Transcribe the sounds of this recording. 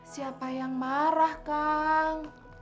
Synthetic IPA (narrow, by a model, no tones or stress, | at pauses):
siapa̤jaŋmaɾahkaŋ